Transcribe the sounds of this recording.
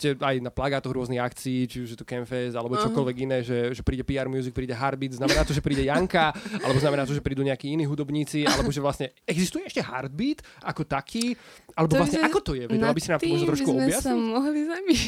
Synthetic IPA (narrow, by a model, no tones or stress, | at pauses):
cɛajnaplaɡaːt̪ɔɣɾʊɔzniɦakt͡siːt͡ʃiuʒjɛt̪ɔkɛnfɛzalɛbɔt͡ʃɔkkɔlʋɛɡinɛːʒɛʒɛpɾiːɟɛpiːaɾmjuːzik̚pɾiːɟɛɦaɾd̪̚biːd̪znamɛnaːt̪ɔʒɛpɾiːɟɛjaŋkaalɛbɔznamɛnaːt̪ɔʒɛpɾiːd̪uːɲɛakiːiniːɦud̪ɔbɲiːt͡sialɛbɔʒɛʋlasɲɛ | ɛɡzist̪ujɛɛʃcɛɦa̰ɾd̪̚biːt̪ | akɔt̪akʰiː | ʔalɛbɔʋlasɲɛakɔt̪ɔjɛʋɛalbisinaːmɔmɔʒɛt̪ɾɔʃkuɔjasɔɦlizabiʃ